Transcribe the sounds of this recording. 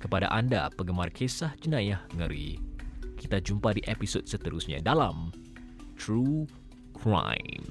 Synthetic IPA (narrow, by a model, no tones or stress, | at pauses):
kəpada̰ʔanda̰pəɡəmarkʰesahd͡ʒənajahŋəɾḭkit̪ad͡ʒumpadiʔepisɔd̥̚sət̪əɾusɲa̰dalam | t̪ɾu | kʰɾa̰jm